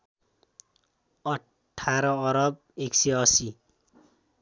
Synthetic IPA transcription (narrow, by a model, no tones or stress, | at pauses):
ʌ | ʈʰːaɾʌːɾʌb̚ | eksiʌsi